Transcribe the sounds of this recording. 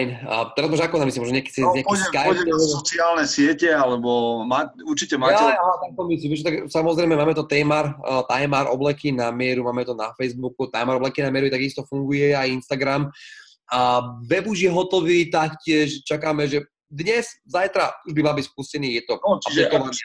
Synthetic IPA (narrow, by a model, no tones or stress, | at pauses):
nt̪ɛɾazmaʒɛakɔnamis̬imɔʒnɔɲɪɛkɛsiɲakkalɛɔt͡siaːlnɛsɪɛcɛalɛbɔmaːuɾt͡ʃicɛmaːaɛat̪ak̚t̪ɔmisiːmiʒɛt̪aksamɔzɾɛjmɛmaːmɛt̪ɔt̪ɛːmaɾt̪ajmaɾʔɔ̰blɛkinamɪɛɾumaːmɛt̪ɔnafɛjzbukut̪ajmaɾɔblɛkinamɪɛɾuit̪aɡist̪ɔfuŋɡujɛajinst̪aɡɾam | aʋɛbuʒjɛɦɔt̪ɔʋiːt̪akcɪɛʃt͡ʃakaːmɛʒɛ | d̪ɲɛzzajt̪ɾauʒbimalbicspuscɛniːjɛt̪ɔaʒikɔlan